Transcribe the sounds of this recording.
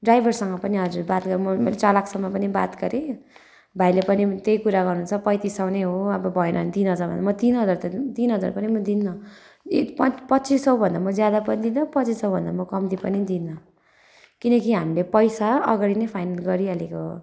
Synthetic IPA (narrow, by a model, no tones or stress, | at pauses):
ɖrajbʱʌrsʌŋɡʌpʌniɦʌd͡zurbat̪ɡʌɾmʌmelet͡salakʰsʌmːʌpʌniba̰t̪ɡʌɾe | bʱajlepʌnit̪ejkuɾaɣʌrnunt͡sʰʌpʌjt̪isawneɦoʌbʌbʱʌenʌnt̪inɦʌd͡zarbʌ̰nd̪amʌt̪inɦʌd͡zart̪ʌt̪inɦʌd͡za̰rpʌnimʌd̪inːʌ | pʌpʌt͡sisʌwbʱʌnd̪amʌd͡zjad̪apʌnid̪inːʌpʌtt͡sisʌw̃bʱʌnd̪a̰mʌkʌmd̪ipʌnid̪inːʌ | kinʌkiɦamilepʌjsaʌɡaɽinʌjpʰajnalɡʌɾiɦʌlekoɦo